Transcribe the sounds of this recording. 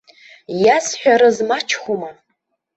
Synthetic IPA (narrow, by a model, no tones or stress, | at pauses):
jasħʷᶣaɾɨzmat͡ʃʰχʷuma